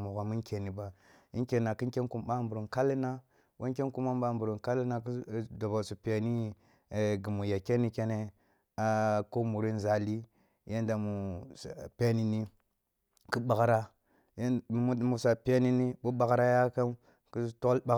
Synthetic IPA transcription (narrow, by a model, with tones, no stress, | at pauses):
mu˨ɣʷa˨mi˦ŋkʲe˨ni˨ba˨ḭ˦ŋke˨na˨ki˦ŋke˦ŋku˦mɓa˦˨mbu˨ɾu˨nka˦lːi˦na˦ | wa˦ŋke˦ŋku˦ma˦mba˦mbu˨ɾu˨nka˦lːna˦kda˨ba˨su˨pe˨ni˦˨ | ɡi˨mu˨ja˨ke˦ni˦ke˦ne˦ | a˦ko˦mu˨ɾi˦n˦za˨li˦ | ja˦nda˨mu˨ | pe˦ni˨ni˦ | ku˦ɓa˨ɣɾa˦˨˦ | mu˦sa˨pe˦ni˦ni˦bu˦ɓa˨ɣɾa˦ja˦ka˦m | ku˦tu˦lba˦